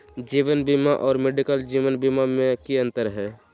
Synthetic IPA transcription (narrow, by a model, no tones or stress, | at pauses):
d͡ʒiːʋənbimaʔɔːɾmeɖikəld͡ʒiːʋənbimamẽkiə̃nt̪əɾɦɛː